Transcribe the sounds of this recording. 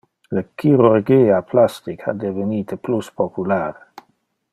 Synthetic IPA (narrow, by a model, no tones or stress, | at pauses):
ləkʰiɾurɡiːaplast̪ikʰa̰d̪eveniːt̪əpluspopulaːɾe